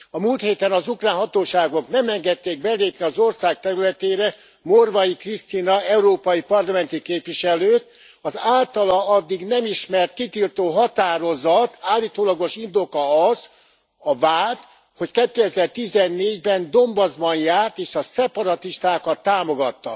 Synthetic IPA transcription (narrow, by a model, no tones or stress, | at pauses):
ɒmuːlt̪heːt̪ɛnɒzukraːnɦɒt̪oːʃaːɡo̞knɛmɛŋɡɛt̪ːeːɡ̚bɛleːpniɒzo̞rsaːk̚t̪ɛɾylɛt̪eːɾɛ | morvɒjikrist̪inɒɛuɾoːpɒjipɒrlɒmɛnt̪ikeːpʋiʃɛløːt̪̚ | ɒzaːlt̪ɒlɒɒd̪ːiɡnɛmiʃmɛrt̪kit̪ilt̪oːɦɒt̪aːɾo̞zɒt̪aːlːiːt̪oːlɒɡo̞ʃind̪o̞kɒɒz | ɒvaːt̪ | ho̞ckɛt̪ːøːɛzɛrt̪izɛnːeːɟbɛnd̪o̞mbɒzbɒnjaːrt̪eːʃɒsɛpɒɾɒt̪iʃt̪aːkɒt̪ːaːmo̞ɡɒt̪ːɒ̰